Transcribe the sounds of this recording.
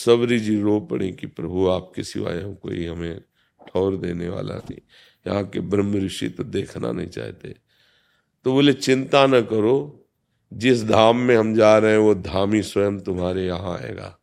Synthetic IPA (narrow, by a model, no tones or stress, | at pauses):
sɐbɾid͡ʒiɾoːpɐ̰ɽ̃ekipɾɐbʱuaːp̚kɪsɪ̰ʋa̰ːjako̰ːiɦɐmẽ | ʈʰɔːɾd̪eːneʋa̰ːla̰nɐɦḭ̃ | jɐɦãkebɾə̃mːəɾɪʃḭt̪d̪eːkʰna̰nɐɦḭ̃t͡ʃa̰ːɦt̪ḛ | t̪oʋolet͡ʃɪ̃nt̪anɐkɐɾo | d͡ʒɪs̬d̪ʱaːmːẽɦɐmd͡ʒaːɾɐɦẽʋod̪ʱaːmiswəjəmt̪ʊmɦaːɾejɐɦãɛ̰ːɡa̰ː